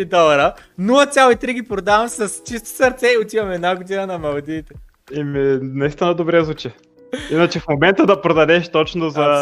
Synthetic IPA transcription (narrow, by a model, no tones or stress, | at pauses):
id̪ɔlˠɐɾənulˠɐt̪sʲjalˠoit̪ɾiɡʲipɾod̪avɐmsɐst͡ʃist̪o̥sɐɾt̪sɛiot̪ivɐmɛd̪naɡod̪inənɐmɐlˠd̪iːt̪ɛ̥ | iminɛst̪anəd̪obɾɛzut͡ʃɛ | inət͡ʃɛfmomɛnt̪əd̪ɐpɾod̪ɐd̪ɛʃt̪ɔt͡ʃnozɐ